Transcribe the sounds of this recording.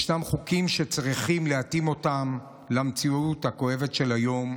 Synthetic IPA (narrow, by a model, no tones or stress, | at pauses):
ʃnamχukimʃe̞t͡sʁiχimleatimo̞tam | lamt͡siuthako̞e̞vetʃe̞lajo̞m